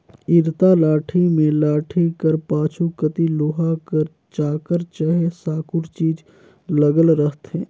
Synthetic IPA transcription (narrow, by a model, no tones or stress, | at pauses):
ɪɾt̪alaːʈʰimẽlaːʈʰikəɾpaːt͡ʃʰukət̪ilʊɦakəɾ | t͡ʃaːkəɾt͡ʃəɦesaːkʊɾt͡ʃiːd͡ʒ | ləɡəlɾəɦt̪ɦɛ̃ː